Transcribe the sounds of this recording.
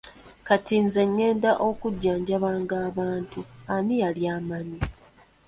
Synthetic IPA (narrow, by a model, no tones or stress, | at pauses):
katiːnze̞ŋːe̞ːndaʔo̞kuɟːaːɲɟaβaːŋɡaːβaːntuanijaljaːmani